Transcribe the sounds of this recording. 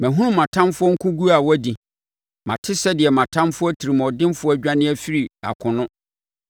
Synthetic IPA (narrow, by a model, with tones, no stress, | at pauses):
mɛ̃˨ɦũ˦ɾũ˦mã˨tʰã˦mfʊ˦ɔ˦ŋ̩˦kʰũ˦ɡu˦a˨wɔ˦di˨ | mã̰˨tʰɪ˦sɛ˦dɪ˨ɛ˨mã˨tʰã˦mfʊ˦ɔ˦tʰi˨ɾi˨mɔ̃˨dɪ̃˦mfʊ˦ɔ˦æ˦ɟᶣa˦nɪ̃˦æ˨fi˦ɾi˨a̰˨kʰʊ̃˨nʊ̃˦